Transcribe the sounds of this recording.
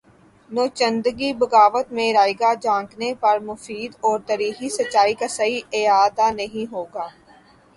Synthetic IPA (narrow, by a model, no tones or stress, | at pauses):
noːt͡ʃə̃nd̪ɡibɐɡaːʋət̪mẽɾaːɪɡad͡ʒãːŋknepɐɾmʊfiːd̪ɔːɾt̪ɐɾiːɦisɐːaːikasɐiɪjaːd̪anɐɦĩɦoːɡaː